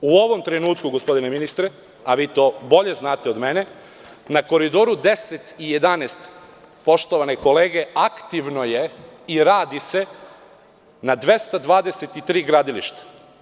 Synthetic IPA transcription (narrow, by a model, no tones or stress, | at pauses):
uo̞ʋo̞mt̪ɾe̞nuːt̪kuɡo̞spo̞d̪ineminist̪ɾe | aʋiːt̪o̞ːbo̞ʎe̞znaːt̪eo̞d̪me̞ne̞ | nako̞ɾid̪o̞ːɾud̪e̞set̪ije̞d̪anest̪ | po̞ʃt̪oʋaneko̞leːɡe̞akt̪iʋno̞je̞iɾaːd̪ise̞ | nad̪ʋe̞st̪ad̪ʋaːd̪eset̪it̪ɾiːɡɾaːd̪iliʃt̪ḁ